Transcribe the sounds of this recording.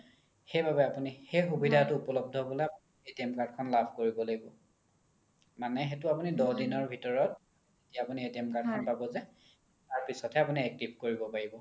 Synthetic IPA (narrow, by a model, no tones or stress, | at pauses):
xejbʱabɛapunixejxubidʱatʊupɔlɔb̚dʱɔbɔlejapunietiɛmkaɹd̚kʰɔnlabʱkoɹibɔloɡibɔ | manɛɦetʊapunidɔdinɔɹbʱitɔɹɔt̚ | etijaːpunietiɛmkad̚kʰɔnpabɔzɛ | taɹpisɔtʰɛapuniɛk̚tip̚ʰkoɹibɔpaɹibɔ